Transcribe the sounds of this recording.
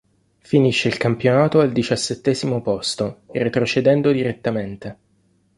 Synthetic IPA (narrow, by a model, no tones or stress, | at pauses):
finiʃːeilkampjonaːt̪oald̪it͡ʃasːet̪ːɛːzimopɔst̪oret̪ɾot͡ʃed̪ɛnd̪od̪iɾet̪ːament̪e